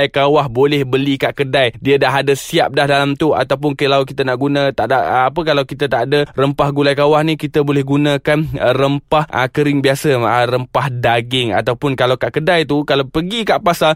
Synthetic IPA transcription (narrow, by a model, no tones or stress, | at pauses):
ajkawahbolɛhbəlikaʔkədajdiədaɦadəsia̰p̚dahdalamt̪ua̰t̪awp̬ʊnkəlawk̬it̪anaʔɡunãt̪aʔdaəapəkalawkit̪at̪aʔdərəmpahɡulajkawahnĩkit̪abolɛhɡunãkanərəmpahʔəkəɾɪŋbiasəərəmpahdaɡɪŋa̰t̪awpʊnkalawkaʔkədajt̪ukalawpəɡikaʔpasal